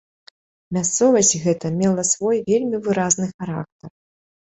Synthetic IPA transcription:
mʲast̪sɔvɐsʲtʲɣɛt̪ɐmʲɛlˠɐsvɔjvʲelʲmʲivɨɾaznɨxaɾa̰k̚t̪ɐr

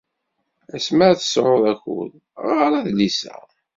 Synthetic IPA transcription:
æsməʕθə̥sɾˤoðˤæçʊ̰l | ʁaɾˤæðlisæ̰

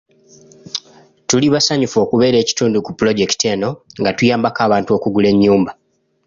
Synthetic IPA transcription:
tuliβasaɲufo̞ːkuβe̞ːɾe̞ːci̥tuːndukupulo̞ɟe̞kte̞ːno̞ŋɡatujaːmbakaːβaːntuo̞kuɡule̞ɲːuːmba

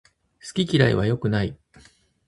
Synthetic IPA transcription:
sɨ̥kʲikʲiɾaḭβ̞ajo̞kɯ̟nai

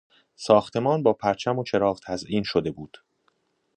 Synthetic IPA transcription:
sɒːxt̪ʰe̞mɒːnbɒːpʰæɾt͡ʃʰæmo̞t͡ʃʰe̞ɾɒːvt̪ʰæzʔiːnʃod̪e̞buːd̪̥

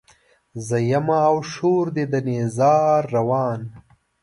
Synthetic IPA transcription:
zɐjɐmaːwʃoːɾd̪ed̪ənezɑːɾːawɑːn

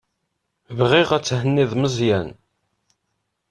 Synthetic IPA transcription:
vʁɪʁæt͡sːhənːɪðˤməzˤjæn

